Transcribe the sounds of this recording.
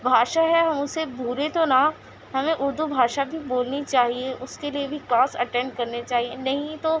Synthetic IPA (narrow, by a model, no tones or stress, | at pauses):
bʱaːʃaɦɛɦɐmʊsebʱuːɾet̪ona | ɦɐmẽʔʊɾd̪ʱubʱaːʃabʱiboːlnit͡ʃaːɦieʔʊskeliebʱiklaːsɐ̰ʈɛ̃ɳɖ̚kɐɾnet͡ʃaːɦienɐɦĩt̪oː